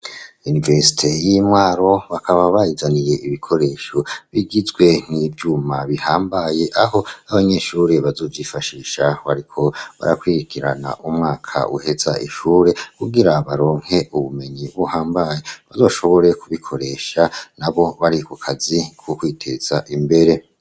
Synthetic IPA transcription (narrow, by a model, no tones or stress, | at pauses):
univeɾsi̥tʰe̞jimwaːɾo̞βakʰaβaβajizanije̞ʔiβikʰo̞ɾe̞ːʃo̞βiɡizɡwe̞n̥ivjumaβihaːmbaje̞ʔaho̞aβaɲe̞ːʃuːɾe̞βazo̞ːvjifaʃiːʃaβaɾikʰo̞βa̰ɾakwiɾikʰiɾa̰na̰ʔumŋaːkʰa̰ʔuhe̞za̰ʔiʃuːɾe̞kuɡiɾaβaɾo̞ːŋ̥he̞ʔuβume̞ɲiβuhaːmbaje̞βazo̞ːʃo̞βo̞ɾe̞kuβikʰo̞ɾe̞ːʃanaβo̞βaɾikukʰazikwokwiːtʰe̞z̥aʔimbe̞ɾe̞